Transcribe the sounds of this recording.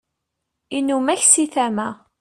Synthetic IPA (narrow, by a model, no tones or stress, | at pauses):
inːumæçsiθæmæ